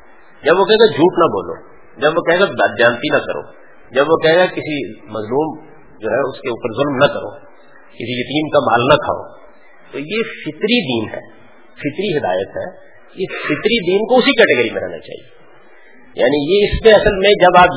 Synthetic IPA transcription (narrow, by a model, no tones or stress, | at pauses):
d͡ʒɐbʋokɛɦẽːɡad͡ʒʱuːʈnɐbo̰ːlo̰ː | d͡ʒɐbʋokɛɦẽːɡabad͡ʒaːnt̪inɐkɐ̰ɾo̰ː | d͡ʒɐbʋokɛɦẽɡakɪsimɐzluːm | d͡ʒoːɦɛʊskeuːpəɾzʊlmnɐkɐɾo̰ː | kɪsijɐt̪iːmkama̰ːlnɐkʰa̰ːo̰ː | t̪ojefɪt̪ɾid̪iːnɦɛ̰ː | fɪt̪ɾiɦɪd̪a̰ːjət̪ɦɛ̰ː | ɪsfɪt̪ɾid̪iːnkoʊsikɛːʈeɡəɾimẽɾɛɦna̰t͡ʃa̰ːɦḭeː | jʔa̰ːnijeɪsmẽɐsəlmẽd͡ʒɐbaːp